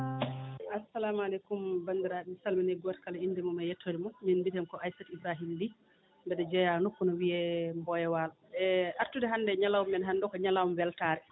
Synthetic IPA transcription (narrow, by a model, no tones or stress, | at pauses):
ʔasalamalekumbandiɾaɗimsalminɛɡɔtkalainːdimɔmajɛtʰːoɾimɔminbitɛmkɔʔajsɛtisaɦildi | mbɛɗɛd͡ʒɛjanokːunɔwiɛmbɔjɛwal | ɛʔaɾtudɛɦanːdɛɲalawumːɛnɦandɔkɔɲalawumwɛltaɾɛ